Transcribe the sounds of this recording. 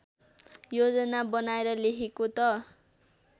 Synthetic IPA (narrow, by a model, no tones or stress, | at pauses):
jod͡zʌnabʌnaeɾʌlekʰekot̪ʌ